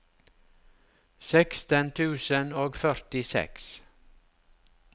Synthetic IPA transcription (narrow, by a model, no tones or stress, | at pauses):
sɛkst̪ənt̪ʰʉːsənoːɡfœɾt̪ɪsɛ̰ks